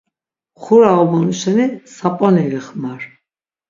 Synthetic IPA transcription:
χuɾaɔbɔnuʃɛnisapʼɔniliχmaɾ

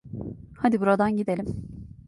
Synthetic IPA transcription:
had̪ibuɾad̪anɟid̪elʲim

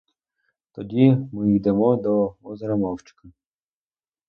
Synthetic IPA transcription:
t̪ɔdʲimɪjd̪ɛmɔd̪ɔɔzɾɐmɑwt͡ʃɪ̥kɐ

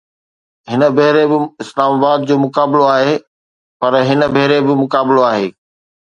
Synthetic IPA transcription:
ɦɪnə̆bʱeɦɪɾebɪɪslaːmaːbaːd̪̚d͡ʑoːmʊkaːbɪloaːɦe | pɐɾɦɪnəbʱeɦɾebɪmʊkaːbɪloaːɦeː

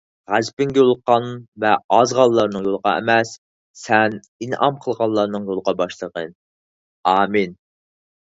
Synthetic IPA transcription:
ʁæzpɪŋɡʲɛolˠqɑnvɛɑzʁɑlˠːɑɾnɨŋjolˠəʁɑ̰ɛ̰mɛsː | ɛn | inɑmqʰəlˠʁɑlˠːɑɾnɨŋjolˠəʁɑbɑʃlˠəʁən | ɑːmin

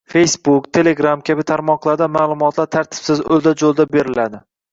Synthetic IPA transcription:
fe̞jsbukt̪ʰe̞le̞ɡɾamkʲʰabɪt̪ʰaɾmɒqlˠaɾd̪amaːlˠʊmɒt̪ʰlaɾt̪ʰaɾt̪ʰɪ̥psɪzɵ̰lˠd̪ad͡ʒolˠd̪abe̞ɾɪlad̪ɪ

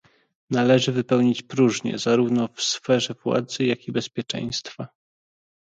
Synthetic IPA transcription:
nalɛʐɘvɘpɛwɲit͡ɕpɾuʐɲɛ̰zaɾuvnɔfsfɛʐɛvwa̰d̪zɘjakʲibɛspʲjɛt͡ʂɛ̰̃j̃st̪fa

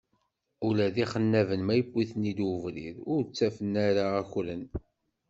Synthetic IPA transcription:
ʊlæðiχənːævənmæjəbʷːiθənid̪əvɾiðʊɾt͡sːæfənːæɾaːçlən

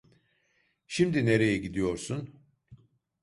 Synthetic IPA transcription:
ʃimd̪ine̞ɾe̞jɛɟid̪ijo̞ɾsun

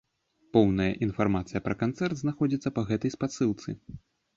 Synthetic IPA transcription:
pɔwnɐjɐ̰ʔinfarmat̪sɨjɐpɾɐkant̪sɛrd̪znaxɔd͡zʲit̪sːɐpɐɣɛt̪ɐjspat̪sɨlˠt̪sɨ

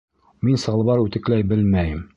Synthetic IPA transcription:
minsɤ̆ʁɤlˠβɑɾʉt̪ɘ̆klæjbɘlmæjɘm

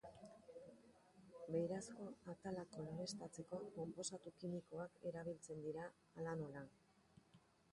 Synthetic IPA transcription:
be̞jɾasko̞at̪alakoaɣest̪at͡se̞ko̞ko̞mpo̞sat̪ukimiko̞ake̞ɾaβ̞ilt͡se̞nd̪iɾaː | lanola

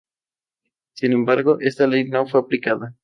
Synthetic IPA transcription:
sinẽmbaɾɣoʔest̪alejnõŋfojaplikaða

